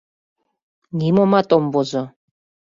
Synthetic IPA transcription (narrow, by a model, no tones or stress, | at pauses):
nʲimomat̪ʼombozo